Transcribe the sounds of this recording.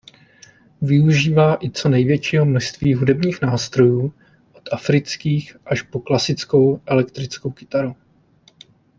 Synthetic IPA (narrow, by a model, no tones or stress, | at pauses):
vɪuʒiːvaːʔɪt͡so̞nɛjvjɛt͡ʃiːɦo̞mno̞ʃst̪viːɦudɛbɲiːxnaːst̪ɾo̞juː | ʔot̪ʔafɾɪt͡skiːxʔaʃpo̞klasɪt͡sko̞wʔɛlɛk̚t̪ɾɪt͡sko̞wkɪ̥t̪aɾu